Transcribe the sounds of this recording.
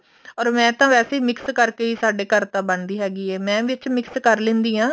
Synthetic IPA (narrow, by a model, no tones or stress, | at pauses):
ɔːɾmɛ̃ːt̪ãːʋɛːseːiːmɪkskəɾkeːiːsaːɖeːkəɾt̪ãːbənd̪iːɦɛːɡiːɛːmɛ̃ːʋɪt͡ʃmɪkskəɾlɪ̃nd̪iːãː